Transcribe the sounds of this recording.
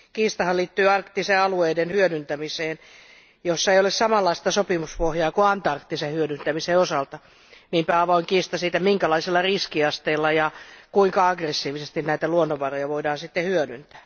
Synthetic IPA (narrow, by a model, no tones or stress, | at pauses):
kiːst̪ɑhɑliːt̪ːyːɑrkt̪ːiseɑlueidenhyødynt̪æmiseːn | josːɑeijolessɑmɑlːɑist̪ɑsopimuspohjɑːkuɑnt̪ɑrkt̪ːisehyødynt̪æmiseosɑlt̪ɑ | nimpæɑʋoiŋkiːst̪ɑsiːt̪æmiŋkælɑiselːɑriskiɑst̪eilːɑjɑkuiŋkɑɑɡresːiːʋisest̪innæit̪æluonːoʋɑrojɑʋoidɑːnsit̪ːehyødynt̪æ̥ː